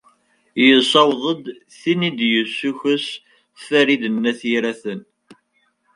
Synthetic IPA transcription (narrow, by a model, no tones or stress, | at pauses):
jəðsɑwðˤəd̪ | θinid̪jəsːuçəs | θfæɾiðənːæθiɾæθən